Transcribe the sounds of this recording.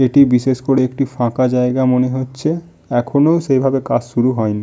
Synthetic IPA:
eʈibiʃeʃkoɽeekʈifãkad͡ʑaeɡamoneɦotːɕʰe | ɛkʰonowʃejbʱabekad͡ʑʃuɾuɦɔjni

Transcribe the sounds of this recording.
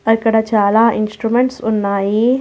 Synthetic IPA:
ɐkːɐɽɐt͡ʃaːlaːʔinsʈɾumeɳʈsunːaːji

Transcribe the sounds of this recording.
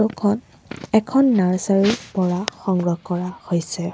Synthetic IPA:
ukʰɔn | ɛkʰɔnːaɹsaɹiɹpɔɹaxɔŋɡɹɔkɔɹahojsɛ

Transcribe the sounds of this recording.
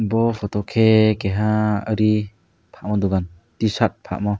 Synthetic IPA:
bɔpʰɔtɔkʰeɡeɦaəɾi | pʰaʔ̚mɔduɡan | tisat̚pʰa̰ʔmɔ

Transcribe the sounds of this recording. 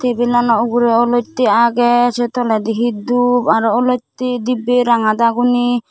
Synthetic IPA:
t̪ʰebilanɔuɡuɾɛɔlɔt̪iaɡɛset̪ɔlad̪iɦid̪ubaɾɔlɔt̪id̪ibeɾaŋad̪aɡuni

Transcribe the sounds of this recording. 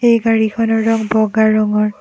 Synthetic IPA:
ejɡaɹikʰɔnɔɹɹɔŋbɔɡaɹɔŋɔɹ

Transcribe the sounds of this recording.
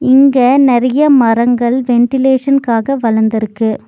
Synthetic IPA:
ɪŋɡɐnɛɾɐjɐmɐrɐŋɡɐɭʋɛɳʈɪleːʂɐnkaːɣɐʋɐɻɐnd̪ɪɾɯkːɯ

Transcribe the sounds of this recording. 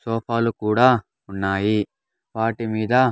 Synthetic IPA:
soːpʰaːlukuːɽaː | unːaːji | ʋaːʈimiːd̪ɐ

